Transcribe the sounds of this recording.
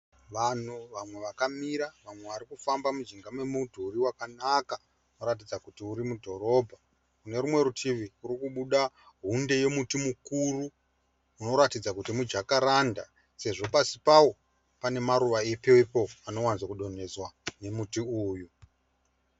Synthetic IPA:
ʋan̤uʋamwe̞ʋakamiɾaʋamwe̞ʋaɾikufambamud͡ʒiŋɡamwe̞mutʰuːɾiwakanaka | uno̞ɾat̬id͡zakutiuɾimudʱo̞ɾo̞bʱa | kune̞ɾumwe̞ɾutʰiʋiuɾikuɓuɗa | ɦunde̞je̞mutimukuruː | no̞ɾatid͡zakutimud͡ʒakaɾanda̰ | se̞ʐo̞pasipawo̞ | pane̞maɾuʋaepepo̞ano̞wanzakuɗo̞ne̞zwane̞mutiuːju

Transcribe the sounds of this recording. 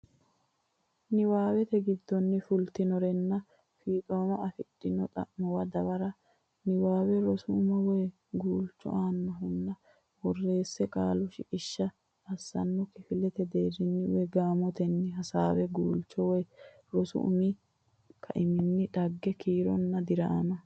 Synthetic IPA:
nɪwaːwɛt̪ɛɡɪd̪ːɔnːɪfʊlt̪ɪnɔɾɛnːɐ | fiːk̪ʼoːmɐɐfɪɗːɪnɔt̪ʼɐ̰ʔmɔwɐd̪ɐbɐɾɐ | nɪwaːwɛɾɔsʊʊmɐwɔj | ɡuːlt͡ʃːɔ̰ʔaːnːɐɦʊnːɐ | wɔrːe̞ːsːɛkʼaːlʊʃɪkʼɪʃːɐː | sːɐ̰nːɔkɪfɪlɛt̪ɛd̪eːɾɪnːɪwɛɡaːmɔt̪ɛnːɪɦɐsaːwɛɡuːlt͡ʃːɔwɔj | ɾɔsʊ̰ʔʊ̰mi | kʰɐʔɪmɪnːɪᶑɐɡːɛkʰiːɾɔnːɐd̪ɪɾɐʔa̰mɐ

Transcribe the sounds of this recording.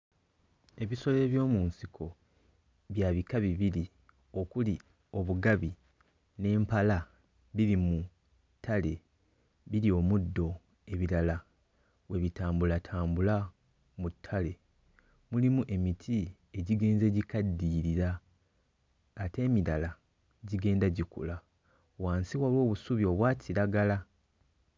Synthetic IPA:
e̞βiso̞le̞ːβjo̞ːmuːnsikʰo̞ | βjaːβikaβiβili | o̞kuli | o̞βuɡaβi | ne̞ːmpala | βiɾimu | tʰːale̞ | βiɾio̞mudːo̞ | e̞βiɾala | we̞βitaːmbulatʰaːmbula | mutʰːale̞ | mulimuʔe̞mitʰi | e̞ɟiɡe̞ːnze̞ːɟikadːiːɾiɾa | te̞ːmiɾala | ɟiɡe̞ːndaɟikṵla | waːnsiwalwo̞ːβusuβjo̞βwaːcʰiɾaɡala

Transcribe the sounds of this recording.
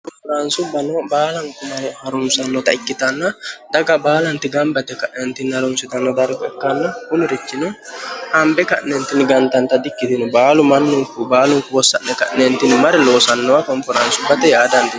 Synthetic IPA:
kɔmfɔɾɐnsʊbɐnɔbaːlɐŋkʊmɐhɐɾʊmsɐnːɔt̪ɐɪkːɪt̪ɐnːɐd̪ɐɡɐbaːlɐnt̪ɪɡɐmbɐt̪ɛkɐʔnɛnt̪ɪnːhɐɾʊmsɪt̪ɐnːɔd̪ɐɾkɛkːɐnːɔkʊnɪɾɪt͡ʃːɪnʊhɐmbɛkɐ̰ʔnɛnt̪ɪnɪɡɐnt̪ɐnt̪ɐd̪ɪkːɪt̪ɪnʊbaːlʊmɐnːʊŋkʊbaːlʊŋkʊwɔsːɐ̰ʔnɛkɐ̰ʔɛnt̪ɪnɪmɐɾɛloːsɐnːɔwakɔɱfɔɾɐnsʊbɐt̪ɛjaːd̪ɐnt̪ɪ

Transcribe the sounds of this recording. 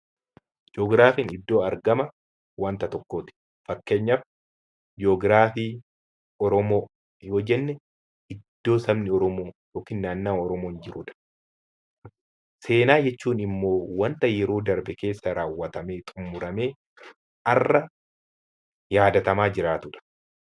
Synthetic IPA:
d͡ʒoːɡɾaːfiːnɪd̪ːo̞ːɐɾɡɐmɐ | wɐnt̪ɐt̪ɔkːoːt̪ɪ̥ | fɐkːe̞ːɲːɐf | d͡ʒɪoːɡɾaːfiː | ɔɾɔmo̞ː | joːd͡ʒɛnːɛ | ɪd̪̥ːo̞ːsɐbnɪɔɾɔmoːjoːkiːnːaːnːaːɔɾɔmoːnd͡ʒɪɾʊᶑɐ̥ | se̞ːnaːd͡ʒɛt͡ʃːuːnɪmːo̞ːwɐnt̪ɐjɛɾoːd̪ɐɾbɛke̞ːsːɐɾaːwːɐt̪ɐmeːt̪ʼʊmːʊɾɐme̞ː | ʔɐrːɐ | jaːd̪ɐt̪ɐmaːd͡ʒɪɾaːt̪ʊᶑɐ̥

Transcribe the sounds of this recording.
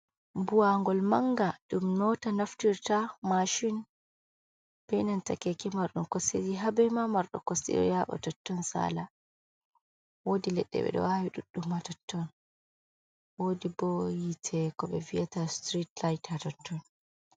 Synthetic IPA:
buwaŋɡɔlmaŋɡaɗumnɔtanaftiɾtamaʃin | b̥ɛnantakɛkɛmaɾɗumkɔsḛɾiɦabɛmamaɾɗɔ̰kɔsḭɗɔ̰jaɓɔ̰tɔtːɔnsa̰ːla | wodilɛɗːɛ̰ɓɛ̰ɗɔ̰wawiɗuɗːumːatɔtʰːɔn | wodibɔjitʰɛkɔɓɛvijatastɾitlajtatɔtʰːɔn

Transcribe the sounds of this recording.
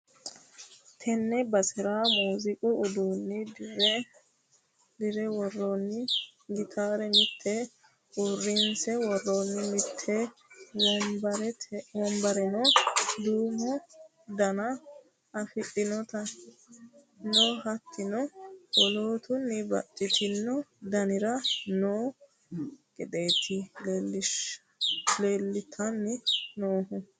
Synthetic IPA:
t̪ʰɛnːɛbɐsɪɾaːmuːzɪkʼʊːd̪oːnːɪdɾ | d̪ɪɾɛwɔrːonːɪɡɪt̪ʰaːɾɛmɪt̪ʰːɛ | ʔʊrːɪnsɛwɔrːonːɪmɪt̪ʰːɛwɔmbɐɾɛwɔmbɐɾɛnɔd̪uːmɔ | d̪ɐnɐ | ɐfɪɗɪnɔt̪ɐ | noːɦɐt̪ʰːɪnɔwɔloːt̪ʊnːɪbɐ̰t͡ʃʼːɪt̪ʰɪnːɔd̪ɐnɪɾɐnoː | ɡʼɛᶑ̪eːt̪ʰɪlɪʃ | leːlːɪt̪ʰɐnːɪnoːɦʊ

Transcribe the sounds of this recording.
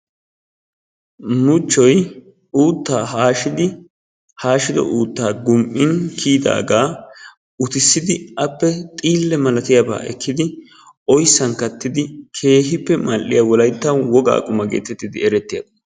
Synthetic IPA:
nʊt͡ʃːɔj | uːt̪ːaːɦaːʃɪd̪ɪ | haːʃɪd̪ɔ̰ʔuːt̪ːaːɡʊmʔɪŋkʰiːd̪a̰ːɡaː | ʊt̪ɪsːɪd̪ɪɐpːɛt̪ʼiːlːɛmɐlɐt̪ɪjaba̰ːʔɛ̰kʰːɪd̪ɪ | ʔɔjsːɐnkɐt̪ːɪd̪ɪkʰe̞ːɦɪpːɛmɐlːɪjawɔlɐjt̪ːɐwɔɡa̰ːkʼʊmɐɡḛːt̪ɛt̪ːɪd̪ɪɛɾɛt̪ːɪjabɐ

